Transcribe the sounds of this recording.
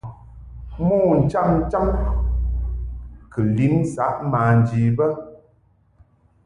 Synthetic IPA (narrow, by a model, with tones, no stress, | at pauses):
mu˦n̩˨t͡ʃa˦mn̩˦t͡ʃa˦m | kə˨li˦n˦sa˨˦ʔmaː˨n˨d͡ʒi˨bə˦